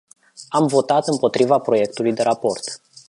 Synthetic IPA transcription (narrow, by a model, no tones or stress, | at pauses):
amvo̞t̪at̪ɨmpo̞t̪ɾivapɾo̞je̞k̚t̪ulujd̪e̞ɾapo̞rt̪